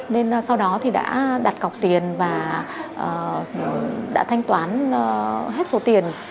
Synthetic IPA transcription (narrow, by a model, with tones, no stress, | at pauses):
ne˧n˨sa˧wɗɔ˨˦t̪ʰi˨˩ɗa̰ː˧˥ɗa˨˩t̚ka˨˩k͡p̚t̪i˨˩ənvaː˨˩ʔəː˨˩ | ɗa̰ː˧˥t̪ʰa˧jŋ̟t̪waː˨˦n˧˩ | ɦe˦˥t̚so˨˦t̪i˨˩ən